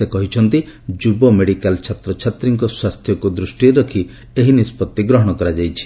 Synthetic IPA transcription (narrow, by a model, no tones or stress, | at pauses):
ekɔɦit͡ʃʰɔnt̪id͡ʒubɔmeɽikalt͡ʃʰat̪ɾɔt͡ʃʰat̪ɾiŋkɔswast̪ʰjɔkud̪ɾusʈieɾɔkʰi | eɦinispɔt̪ːiɡɾɔɦɔɽ̃ɔkɔɾad͡ʒajt͡ʃʰi̥